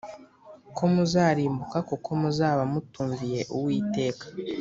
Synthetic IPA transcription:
kʰo̞muzaːɾiːmbukakukʰo̞muzaːβamutuːɱvije̞ʔuwiːte̞ːkḁ

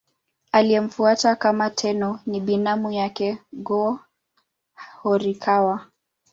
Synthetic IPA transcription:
aliɛm̩fuatakamatʰɛnɔniɓinamujakɛɡɔ | hɔɾikʰawa

